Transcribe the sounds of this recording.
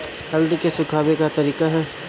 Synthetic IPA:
t̪hɐlɖ̪kesʊkʰaːbekat̪ɐɾiːkaɦɛː

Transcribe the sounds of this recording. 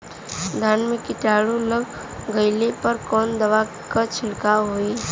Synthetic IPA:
d̪ʱaːnmekɪʈaːɽuləɡ | ɡəɪlepəɾkɔːnd̪əʋa | kət͡ʃʰɪlkaɦoi

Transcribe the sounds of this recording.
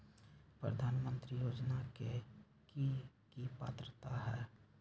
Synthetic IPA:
pɾə̰d̪ʱaːnmə̃nt̪ɾijoːd͡ʒnake | ki | kipa̰ːt̪ɾət̪aɦɛː

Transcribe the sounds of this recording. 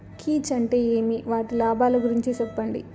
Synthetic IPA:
kʰiːt͡ʃɐɳʈe̞ːeːmiʋaːʈilaːbaːlɐɡuɾiɲt͡ʃit͡ʃɛpːɐɳɖḭ

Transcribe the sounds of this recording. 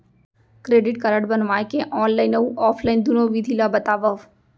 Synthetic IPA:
kɾeːɖɪʈkəɾəʈbənʋaːjkeʔɔːnlaːɪnəuʔɔːfʰlaːɪnd̪unõʋid̪ʱilabɐt̪aːʋəʋ

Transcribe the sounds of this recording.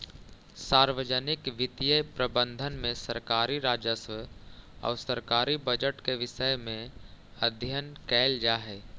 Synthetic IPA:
saːɾʋəd͡ʒənɪkʋɪt̪ijəjpɾəbə̃nd̪ʱənmẽsəɾkaːɾiɾaːd͡ʒəsʋəɔ̰ːɾsəɾkaːɾibəd͡ʒəʈkeʋɪʃəjmẽəd̪ʱjənkɛːld͡ʒaːɦɛː

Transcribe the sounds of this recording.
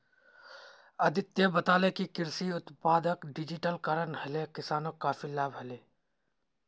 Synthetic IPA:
ɐd̪ɪt̪jəbɐt̪aːlekikɪɾsiʊt̪paːd̪əkɖɪd͡ʒɪʈəlkaɾənhɐlekɪsaːnõkaːfʰilaːbɦɐleː

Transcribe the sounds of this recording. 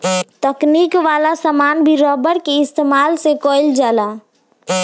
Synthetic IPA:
t̪əknikʋaːlasəmaːnbʱiɾɔːbəɾkeɪst̪eːmaːlsekoɪld͡ʒaːla

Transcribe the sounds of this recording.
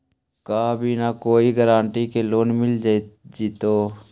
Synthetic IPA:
kaːbʱiːnakoːiɡəɾãːɳʈikeloːnmɪld͡ʒad͡ʒit̪oː

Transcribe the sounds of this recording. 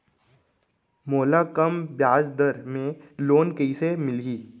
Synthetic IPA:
moːlakɐmbjaːd͡ʒd̪əɾmẽloːnkəisemɪlɡiː

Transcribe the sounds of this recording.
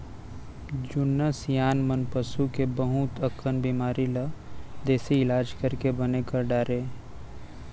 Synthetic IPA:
d͡ʒʊnːəsjaːnmənpəsukebəɦʊt̪əkʰːənbiːmaːɾilad̪eːsiɪlaːd͡ʒkɐɾkebɐnekɐɾɖaːɾeː

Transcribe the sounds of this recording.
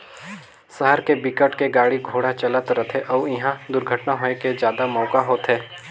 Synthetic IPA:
səɦəɾkebikəʈkeɡaːɽiɡʱoːɽat͡ʃɐlət̪ɾət̪ʰeʔɔːɪɦãd̪ʊɾɡʱəʈnaɦoːneked͡ʒjaːd̪amɔːkaɦoːt̪ɦɛː

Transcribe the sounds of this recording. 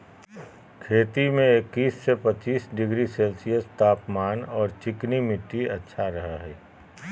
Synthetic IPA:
kʰeːt̪imẽɪkːiːsːepət͡ʃiːsɖɪɡɾiseːlsijəst̪aːpmaːnɔːɾt͡ʃɪknimɪʈːiɐtːʃʰaɾɐɦaɦɛː

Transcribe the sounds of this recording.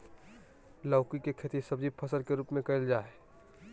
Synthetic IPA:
laʊkikekʰeːt̪isɐbd͡ʒipʰəsəlkeɾuːpmẽkɐɪld͡ʒaːe

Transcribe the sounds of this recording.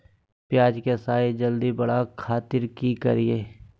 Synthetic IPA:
pjaːd͡ʒkesaːed͡ʒəld̪ibɐɽakʰaːt̪ɪɾkikɐ̰ɾieː

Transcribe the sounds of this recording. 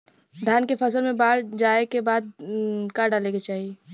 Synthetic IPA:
d̪ʱjaːnkepʰɐs̬əlmẽbaːɾd͡ʒaːekebaːd̪̚kaɖaːleket͡ʃaːɦie

